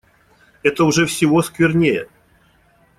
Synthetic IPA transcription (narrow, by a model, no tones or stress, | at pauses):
ɛt̪əʊʐɛfsʲɪvoskvʲɪrnʲejə